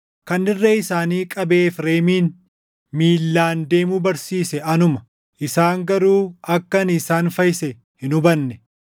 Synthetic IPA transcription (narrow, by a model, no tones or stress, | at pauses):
kɐnːɪrːeɪsaːniːkʼɐbe̞ːfɾe̞ːmiːn | miːlːaːnd̪e̞ːmuːbɐɾsiːsɛɐnʊmɐ | ʔɪsaːŋɡɐɾuːɐkːɐnɪsaːnfɐjɪsɛ | hɪnʊbɐnːɛ